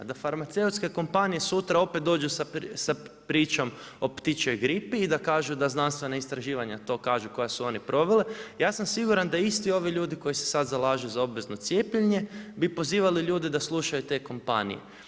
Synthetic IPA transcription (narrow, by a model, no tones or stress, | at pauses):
d̪afaɾmat̪se̞ut̪ske̞ko̞mpanije̞sut̪ɾao̞pet̪̚d̪oːd͡ʒusasapɾiːt͡ʃo̞m | o̞pt̪it͡ʃo̞jɡɾipiːd̪akaːʒud̪aznanst̪ʋe̞naist̪ɾaʒiːʋaɲat̪o̞kaːʒuko̞jasuo̞nipɾo̞ʋelejaːsamsiɡuɾand̪aist̪io̞ʋiʎuːd̪iko̞jise̞̥sad̪zalaːʒejuzao̞bʋe̞zno̞t̪sje̞ːpʎeɲe̞bipo̞ziːʋaliʎuːd̪ed̪aslˠuʃajut̪e̞ko̞mpa̰nḭjḛ